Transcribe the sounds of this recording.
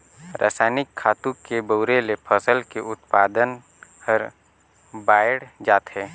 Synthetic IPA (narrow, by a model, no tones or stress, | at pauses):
ɾʔa̰ːsaːnɪkʰːaːt̪ũkebəʊɾelepʰəsəlkeʔʊt̪paːd̪ən | pəɾ | baːəɽd͡ʒaːt̪ɦɛː